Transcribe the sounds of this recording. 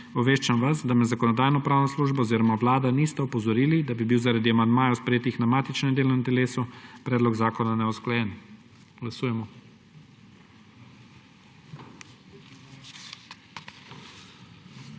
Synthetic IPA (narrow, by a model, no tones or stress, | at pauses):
ɔʋeːʃt͡ʃamʋasd̪amɛzakɔnɔd̪aːjnɔpɾaːwnɔsluʒbɔɔziɾɔmaʋlaːd̪anist̪ɛɔpɔzɔɾiːlid̪abibiwzaɾad̪iamand̪maːjaspɾɛjeːt̪ixnamaːt̪it͡ʃnɛmd̪eːlɔnɛnt̪ɛleːsupɾɛːd̪lɔɡzaːkɔnanɛusklajɛn | ɡlasuːjɛmɔ